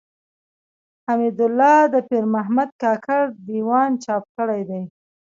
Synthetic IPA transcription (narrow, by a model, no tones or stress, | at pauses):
hamid̪ʊlːɑd̪əpiɾmaɦmad̪̚kɑkʰaɾd̪iwɑnt͡ʃɑp̚kəɽajd̪aj